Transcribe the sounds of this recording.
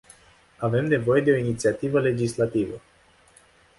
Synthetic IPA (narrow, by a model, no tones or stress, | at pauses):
ave̞mne̞vo̞je̞d̪e̞o̞init̪siat̪ivəle̞d͡ʒislat̪ivə